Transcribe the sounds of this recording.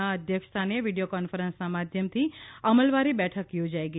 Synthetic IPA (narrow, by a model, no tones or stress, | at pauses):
aəd̪ʱjəkʂt̪ʰaneʋiɖijokɔnfəɾənsnamad̪ʱjəmt̪ʰiəməlʋaɾibɛʈʰəkjod͡ʒajɡə